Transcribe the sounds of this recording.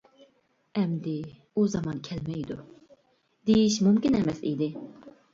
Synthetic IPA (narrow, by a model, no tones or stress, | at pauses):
ɛmd̪ɪ | uzɑmɑnkʲʰɛlmɛjd̪u | d̪̥ejiʃmumkʲinɛmɛsḭd̪ɪ